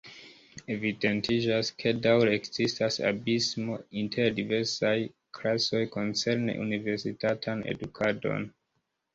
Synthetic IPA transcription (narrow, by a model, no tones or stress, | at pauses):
e̞vide̞ntʰid͡ʒaskʰe̞dawɾekz̥istasa̰bismo̞intʰe̞ɾdive̞ɾsaj | kʰlaso̞jko̞nt͡se̞ɾne̞̰ʔṵnive̞ɾsitatʰanḛdukʰado̞̰n